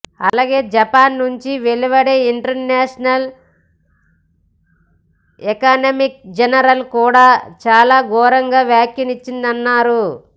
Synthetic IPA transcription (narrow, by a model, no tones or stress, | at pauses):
ɐlaːɡe̞ːd͡ʒɐpaːnːuɲt͡ʃiʋeliʋɐɽeiɳʈɐɾnaːʂɐnɐl | ɛkaːnɐmik̚d͡ʒɐnɐɾɐlkuːɽaːt͡ʃaːlaːɡɔːɾɐŋɡaːʋjaːkjɐnit͡ʃːind̪ɐnːaːɾu